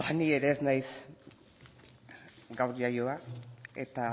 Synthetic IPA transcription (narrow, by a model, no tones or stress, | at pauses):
anieɾe̞ːznajs | ɡawɾʎajoae̞̰t̪a